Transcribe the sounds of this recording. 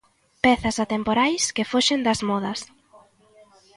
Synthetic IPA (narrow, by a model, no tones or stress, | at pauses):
pɛθɐsat̪empoɾajskɪfoʃend̪ɐzmɔð̞ɐs